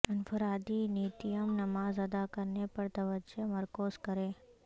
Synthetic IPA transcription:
ɐnfʰəɾaːd̪iniːt̪ijəmnɐmaːzɐd̪akəɾnepɐɾt̪ɐʋəd͡ʒeməɾkoːskəɾẽː

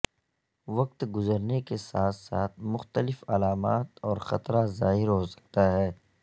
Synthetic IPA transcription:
ʋɐk̚t̪ɡʊzəɾnekesaːt̪saːt̪ʰmʊxt̪əlɪfɐlaːmaːt̪ɔːɾxɐt̪ɾazaːɦɪɾɦosɐ̥k̚t̪aɦɛː

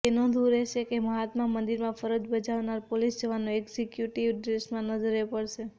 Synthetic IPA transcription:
enod̪uɾeʃʰekeməɦat̪mamənd̪iɾmãfʰəɾəd͡ʒbəd͡ʒaʋnaɾpolisd͡ʒəʋanõeɡsekjuʈiʋɖɾesmãnəd͡ʒəɾepəɽʃe

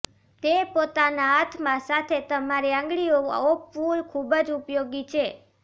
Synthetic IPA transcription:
t̪epot̪anaat̪ʰmãsat̪ʰet̪əmaɾiãŋ̆ɡɭioa̰opfulkʰubəd͡ʒupjoɡit͡ʃʰe

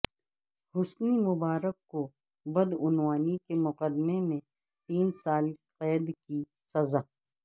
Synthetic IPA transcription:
hʊsnimʊbaːɾəkːo | bɐd̪ʊnwaːnikemʊqəd̪memẽ | t̪iːnsaːlqɛːd̪ki | sɐzaː

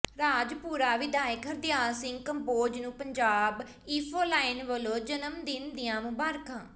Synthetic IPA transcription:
ɾaːd͡ʒpuːɾaːʋɪd̪aːjɪkəɾd̪ɪjaːsɪŋɡkəmpoːd͡ʒnũːpəɲd͡ʒaːb | iːpʰoːlaːɪnʋəloːd͡ʒənəmd̪ɪnd̪ɪjãːmʊbaːɾkãː

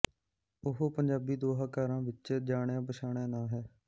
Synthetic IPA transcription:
ʊɦopəɲd͡ʒaːbiːd̪oːɦaːkaːɾãːʋɪt͡ʃːd͡ʒaːɳjãːpəʃʰaːɳjãːnãːɦɛː

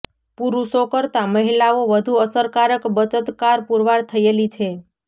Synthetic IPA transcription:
puɾuʃokəɾt̪aməɦilaoʋəd̪ʱuəsəɾkaɾəkbət͡ʃət̪kaɾpuɾʋaɽt̪ʰəjelit͡ʃʰe

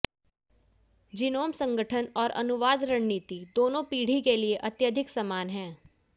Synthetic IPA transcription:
d͡ʒɪnoːmsə̃ŋɡəʈʰənɔːɾʔɐ̰nʊʋaːd̪ɾəɳniːt̪id̪oːnõpiːɽ̤ikelieʔɐt̪jəd̪ʱɪksəmaːnɦɛ̃ː

